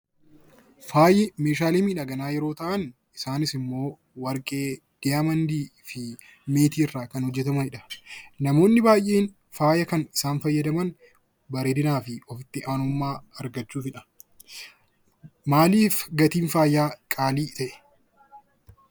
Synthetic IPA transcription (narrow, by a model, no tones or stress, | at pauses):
faːjɪme̞ːʃaːleːmiːᶑɐɡɐnaːjɛɾo̞ːt̪ɐʔɐn | ɪsaːnɪsɪmːo̞ː | wɐɾkʼe̞ː | d̪̥ɪamɐnd̪iːfɪ | me̞ːt̪iːrːaːkɐnhɔd͡ʒːɛt̪ɐmɐhɪᶑɐ̥nɐmo̞ːnːɪbaːjʔeːn | faːjɐkɐnɪsaːnfɐjːɐd̪ɐmɐn | bɐɾeːd̪ɪnaːfɪɔfɪt̪ːɪʔaːnʊmːaːɐɾɡɐt͡ʃːuːfɪᶑɐ̥ | maːliːfɡɐt̪iːnfaːjːaːkʼaːliːt̪ɐʔɛ̥